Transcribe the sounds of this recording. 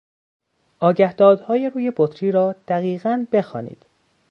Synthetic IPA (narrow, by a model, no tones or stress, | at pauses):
ʔɒːɟæhd̪ɒːd̪hɒːjeɾuːje̞bot̪ʰɾiːɾɒːd̪̥æɣiːɣænbe̞xɒ̰ːnḭːd̪̥